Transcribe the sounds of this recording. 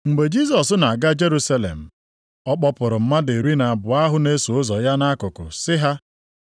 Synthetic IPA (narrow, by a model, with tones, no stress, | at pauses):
ŋ͡m̩˨ɡ͡be˨d͡ʒi˦s̬ɔ˨sna˨a˨ɡa˦d͡ʒe˦ɾu˦sa˦lḛ˨m̩˨ | ɔ˦k͡pɔ˦pʊ˨ɾʊ˨m̩˦ma˦de˨ɾi˦na˨bʊ˨a˦ɦʊ˦ne˦su˨ʊ˦zɔ˨ja˦na˦kʊ˨kʊ̰˨sɪ˦ɦa˦